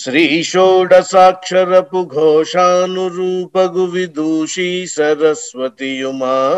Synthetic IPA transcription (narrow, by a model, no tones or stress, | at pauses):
ʃɾiːʃoːɖɐsaːkʂɐɾɐpuɡʱɔːʃaːnuɾuːpɐɡuʋid̪ʱuːʃiːsɐɾɐsʋɐt̪ijumaː